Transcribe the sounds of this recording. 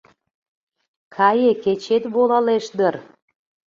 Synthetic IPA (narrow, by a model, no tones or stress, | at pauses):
kʰɑjeket͡ɕet̪βolɑleʃd̪ər